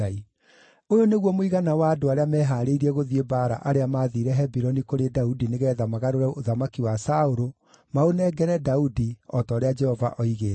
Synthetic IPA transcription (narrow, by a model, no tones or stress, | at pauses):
ai | ojoneɣwɔmoiɣanawaːdoaɾeamɛːɦaːɾeiɾiɛɣoðiebaːɾa̰ʔaɾeamaðiɾɛɦɛbiɾɔnikoɾedaudineɣɛːðamaɣaɾoɾɛoðamakiwasaoɾo | maonɛːɡɛɾɛdaudiɔtɔːɾead͡ʒɛhɔva̰ʔɔiɣeː